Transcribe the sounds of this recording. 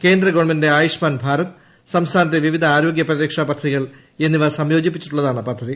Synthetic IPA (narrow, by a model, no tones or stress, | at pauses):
ke̞ːnd̪rɐɡo̞ːɳmendeaːjuɕmaːnbʱaːɾɐt̪ː | sɐmst̪ʰaːnɐt̪̬ːeʋiʋid̪ʱɐaːɾo̞ːɡjɐprɐɾeːkʂaːpɐd̪ʰʱːɐðiɣɐɭ | e̞nːiʋɐsɐmjo̞ːd͡ʑipːit͡ɕːi̥ʈːuɭːɐðaːɳɨpɐd̪ʱːɐði